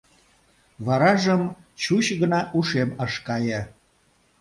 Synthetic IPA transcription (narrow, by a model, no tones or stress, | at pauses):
βɑɾɑʒəm | t͡ɕuɕɣənɑʔuʃeməʃkɑjə̆